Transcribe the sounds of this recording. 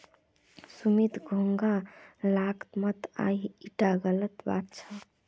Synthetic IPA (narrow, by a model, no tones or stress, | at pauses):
sumit̪ɡʱoŋɡalakt̪mət̪a̰iiʈaɡələt̪ba̰t̪̚t͡ʃʰə